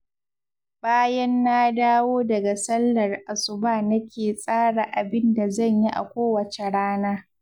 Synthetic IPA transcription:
baː˦jɛ˦nːa˦daː˦woː˦dɐ˨ɡa˨sɐ˦lːɐ˨rʔa˨sʊ˨baː˦˨nɐ˦kʲeː˨sʼaː˦ɽa˨ʔa˨bɪ˦nda˨zɐ˦˨ɲji˦ʔa̰˨kʷoː˦wɐ˨t͡ʃe˨ɽaː˦naː˦

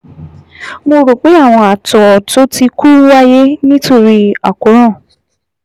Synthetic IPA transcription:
mo˧ɾo˨k͡pe˨˦a˦˨w̃ɔ̃˧a˨tɔ˨to˨˦ti˧ku˦wa˦je˦nĩ˦to˦˨ɾi˧a˨ko˨˦ɾ̃ɔ̃˦˨

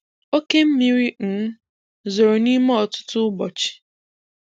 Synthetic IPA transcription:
o˦ke˦m̩˦mi˦ɾi˦n̩˨˦ | zo˨ɾo˨ni˦mɔ˦ɔ˨tʊ̥˦tʊ˦bɔ˨t͡ʃɪ̥˨

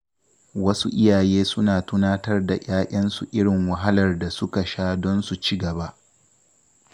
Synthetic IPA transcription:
wɐ˦sṵ˦ʔɪ˦jaː˨jeː˦sʊ˦naː˨tʊ˦naː˦tɐ˦rda˨jʔaː˦ʔʲʼɐ˦nsu˨ʔɪ˦ɽɪ˨ŋwɐ˨ɦa˦lɐ˨rda˨sʊ˦ka˨ʃaː˦dɔ˦nsu˨t͡ʃi˦ɡɐ˨ba˦ʔ

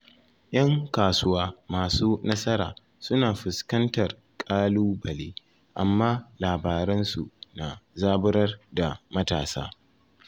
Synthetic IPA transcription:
j̰ʔɐ˦ŋkaː˨sʊ˦waː˦maː˨suː˦nɐ˦sɐ˦ɾa̰ː˨ | sʊ˦naː˨ɸɪ˨skɐ˦ntɐ˨r | kʼaː˦luː˦bɐ˨leː˦ | ʔa˨mːaː˦laː˨baː˨ɾɛ˦nsu˨na˨zaː˦bʊ˦ɾɐ˦rda˨mɐ˦taː˨sa̰ː˦

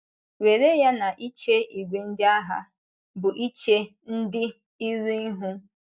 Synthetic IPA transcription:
we˨ɾe˦ja˦na˨ʔi˦t͡ʃe˦i˨ɡʷe˨n̩˦dɪ˦a˦ɦa̰˦ | bʊ˨ʔi˦t͡ʃe˦ | n̩˦dɪ˦ | i˦ɾi˦ɦu˦

